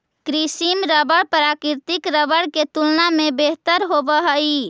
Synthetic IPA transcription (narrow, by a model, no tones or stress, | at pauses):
kɾisimɾəbəɽpɾakiɾt̪ikɾəbəɽket̪ulnamebeɦt̪əɾɦobəɦəi